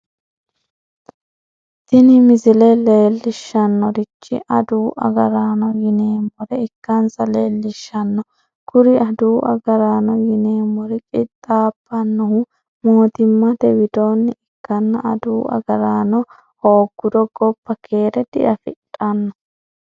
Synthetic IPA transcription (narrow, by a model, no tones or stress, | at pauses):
t̪ɪnɪmɪzɪlɛleːlːɪʃːɐnːɔɾɪt͡ʃːɪ̰ʔɐd̪uːʔɐ̰ɡɐɾaːnɔjɪneːmːɔɾɛɪkːɐnsɐleːlːɪʃːɐnːɔ | kʊɾɪɐd̪uːʔɐ̰ɡɐɾaːnɔjɪneːmːɔɾɛkʼɪt̪ʼːaːpːɐnːɔhʊ | moːt̪ɪmːɐd̪ɛwɪd̪oːnːɪɪkːɐnːɐʔɐd̪uːʔɐ̰ɡɐɾaːnɔ | hoːɡ̥ːʊd̪ɔɡɔpːɐkʰeːɾɛd̪̥ɪ̰ʔɐfɪ̰ᶑʼɐnːɔ